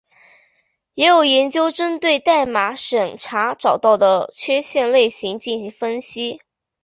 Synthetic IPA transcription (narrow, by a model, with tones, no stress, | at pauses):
jɛ˧˥jo˨˩ʊjɛ˧˥nt͡ɕjo˥ʊʈ͡ʂə˥nt̪we˥˧ɪt̪a˥˩ɪma˧˥ʂə˨˩nʈ͡ʂʰa˧˥ʈ͡ʂɑ˨˩ʊt̪ɑ˥˩ʊd̪ə˩t͡ɕʰɥɛ˥ɕjɛ˥˧nle˥˩ɪɕi˧˥ŋt͡ɕi˥˩nɕi˧˥ŋfə˥nɕi˥